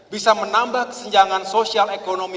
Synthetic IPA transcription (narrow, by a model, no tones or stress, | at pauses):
bisamənambahkə̥səɲd͡ʒaŋansosialekonomi